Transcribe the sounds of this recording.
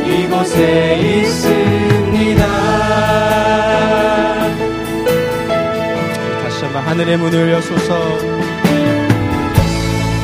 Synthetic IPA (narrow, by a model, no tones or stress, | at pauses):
iɡʌsʰeis͈ɯmɲida | aɕ͈aŋaɦanɯɾe̞munɯɭjʌsʰosʰʌ